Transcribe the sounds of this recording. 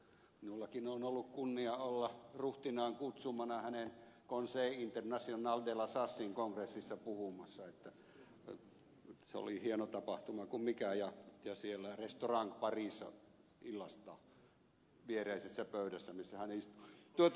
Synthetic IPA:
minulːɑkinonolːukkunːiɑolːɑruht̪inɑːŋkut̪sumɑnɑhænen | konseˑiint̪ernɑsionɑːld̪elɑsɑsːiŋkoŋkresːisːɑpuhumɑsːɑet̪ːæ | seo̰lihienot̪ɑpɑht̪umɑkummikæjɑjɑsielːærest̪orɑŋkpɑriˑsːɑ̰ | ilːɑst̪ɑː | ʋiereˑisesːæpøˑyɾæsːæmisːæhænist̪u̥t̪uot̪

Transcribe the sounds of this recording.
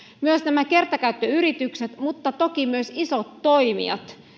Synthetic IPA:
myøsnæmæke̞rt̪ɑkæyt̪ːøyɾit̪ykset̪mut̪ːɑt̪okimyøsisot̪ːo̞imḭɑ̰t̪

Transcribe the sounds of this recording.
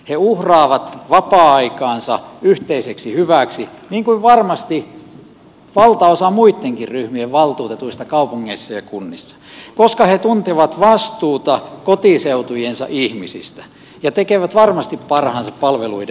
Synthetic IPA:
heuhrɑːʋɑt̪ʋɑpɑːɑikɑːnsɑyht̪eiseksihyʋæksiniːŋkuiʋʋɑrmɑst̪i | ʋɑlt̪ɑosɑmuit̪ːeŋkirryhmieʋʋɑlt̪uːt̪et̪uist̪ɑkɑupuŋːeisːɑjɑkunːisːɑ̥koskɑhet̪unt̪eʋɑt̪ʋɑst̪uːt̪ɑkot̪iseut̪ujensɑ̰ʔihmisḭst̪æ̥ | jɑt̪ekeʋæt̪ʋɑrmɑst̪ippɑrhɑnsɑppɑlʋelṵide

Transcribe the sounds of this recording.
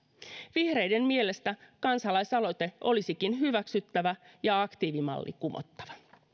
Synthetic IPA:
ʋihre̞jde̞mmie̞le̞st̪ækɑnsɑlɑjsɑlo̞jt̪e̞o̞lisikinɦyʋæksyt̪ːæʋæjɑɑkt̪iːʋimɑ̰lːʔḭkumo̰t̪ːɑ̥ʋɑ

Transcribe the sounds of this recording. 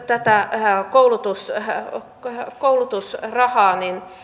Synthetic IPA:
t̪æt̪ækoulut̪us | koulut̪usrɑhɑːnin

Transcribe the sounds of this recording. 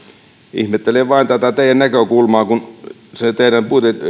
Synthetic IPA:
ḭhmet̪ːeleʋʋɑˑint̪æt̪æt̪eˑijænnækøkulmɑːkun | set̪eˑiɾæmpuit̪e

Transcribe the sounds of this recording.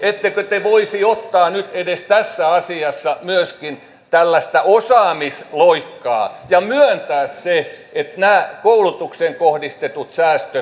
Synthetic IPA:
et̪ːekøt̪eʋoisiot̪ːɑːnyt̪edest̪æsːæɑsiɑsːɑmyøskin | t̪ælːæst̪æʔosɑːmisloikːɑ̰ːjɑmyønt̪æːsse | et̪næːkoulut̪ukseŋkohdist̪et̪ut̪sæːst̪ø

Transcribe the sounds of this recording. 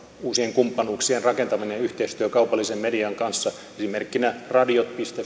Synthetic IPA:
uːsieŋkumpːɑnuːksienrɑkent̪ɑmineyht̪eist̪yøkɑupɑlːisemmediɑŋkɑnsːɑ | esimerkːinærɑdiot̪̚pist̪e

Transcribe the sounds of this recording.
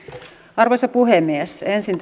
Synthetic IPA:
ɑrʋojsɑpuɦemːiesensint̪

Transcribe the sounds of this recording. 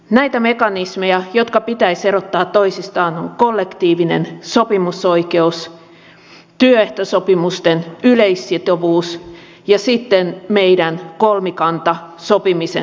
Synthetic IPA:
næit̪æmekɑnismejɑjot̪kɑpit̪æiserot̪ːɑːt̪toisist̪ɑːnoŋkolːekt̪iːʋinḛnsopimusoikeus | t̪yøeht̪osopimust̪enyleisːit̪oʋuːs | jɑsit̪ːenmeiɾænkolmikɑnt̪ɑsopimisḛ

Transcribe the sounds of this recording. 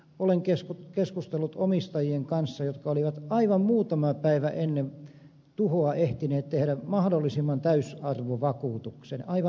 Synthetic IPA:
oleŋkeskukeskust̪elːut̪omist̪ɑjieŋkɑnsːɑjot̪kɑoliʋɑt̪ɑiʋɑmmuːt̪ɑmɑpæiʋæʔenːen | t̪uhoɑʔeht̪ineːt̪t̪ehɾæmɑhdolːˑisimːɑnt̪æysɑrʋoʋɑkuːt̪uksenɑiʋɑ

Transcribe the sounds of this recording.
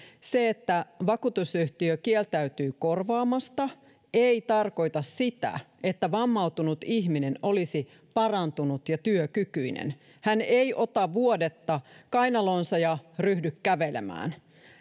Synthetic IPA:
seet̪ːæʋɑkuːt̪usyht̪iøkielt̪æyt̪yːko̞rʋɑːmɑst̪ɑ | eit̪ɑrko̞it̪ɑssit̪æ̰ | e̞t̪ːæʋɑmːɑut̪unut̪içmineno̞lisi | pɑrɑnt̪unut̪jɑt̪yøkykyinḛn | hænejʔo̞t̪ɑʋuodet̪ːɑkɑjnɑloːnsɑjɑryhdykkæʋelḛmæ̰ːn

